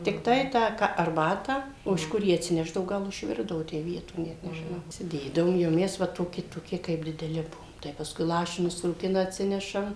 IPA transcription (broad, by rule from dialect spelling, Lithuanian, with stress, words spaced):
tʲɪkˈtɐɪ ˈtɑː kɐ ɐrˈbɑːtɑː oː ɪʃ ˈkʊr ˈjæː ɐtʲsʲɪˈnʲæːʒdɐʋoː ˈɡɐlˠ ɪʃʲˈʋʲɪrdɐʋoː ˈtʲæː ˈʋʲiɛtoː nʲɛt nʲɛʒʲɪˈnɐʊ iːsʲɪˈdʲeːdɐʋoːm jɛʊ ˈmʲɛs ˈʋɐ toːˈkʲɪ toːˈkʲɪ kɐɪp dʲɪdʲɛˈlʲɪ ˈbʊʋoːm tɐɪ pɐsˈkʊɪ ˈlˠɑːʃʲɪnʲʊs ruːˈkʲɪnɐ ɐtʲˈsʲɪnʲɛʃɐm